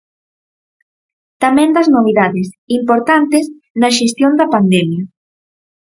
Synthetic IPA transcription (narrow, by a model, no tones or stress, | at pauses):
t̪amɛ̃nd̪ɐznoβ̞iðaðesimpoɾt̪ant̪es | nɐʃest̪jond̪ɐpand̪ɛmjɐ